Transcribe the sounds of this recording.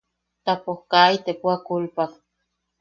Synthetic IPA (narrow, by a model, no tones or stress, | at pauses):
t̪apohkait̪epuakulpak